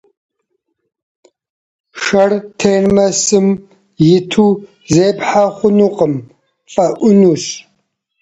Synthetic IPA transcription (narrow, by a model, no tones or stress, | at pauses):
ʂɐrtʰeːrmɐsɨm | jɪtʰu | zeːpħaχʷʊnuːqʼəm | fʼɐʔʷʊnuːɕ